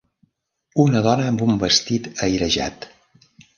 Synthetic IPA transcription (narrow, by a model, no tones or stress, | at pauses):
unəðɔnəːmbumbəst̪it̪əjɾəʒa̰t̪